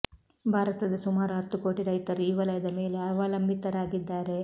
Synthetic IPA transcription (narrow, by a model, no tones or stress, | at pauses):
bʱaːɾɐt̪ɐd̪ɐsumaːɾuɦɐt̪ːuko̞ːʈiɾɐjt̪ɐɾiːʋɐlɐjɐd̪ɐme̞ːleaːʋɐːlɐmbʱit̪ːɐɾaːɡid̪ːaːɾe̞